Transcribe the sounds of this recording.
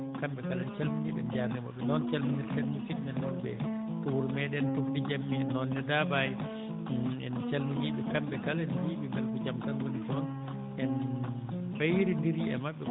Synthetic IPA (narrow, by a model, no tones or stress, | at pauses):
kambɛkalɛnt͡ʃɛlmuɲiɓɛ̰nd͡ʒaɾnɛma̰ɓːɛnɔnt͡ʃalmuniɾfɛlmusitnɛnmaɓɛ̰ | tuuɾmɛɗɛntuktɛd͡ʒamːiɛnːɔnːɛdabaji | ɛ̰nt͡ʃɛlmuɲiɓɛkambɛkalɛnjiːbimɛlkɔd͡ʒamtanwonitiɔn | ɛn | fajɾindiɾiɛ̰maɓːɛ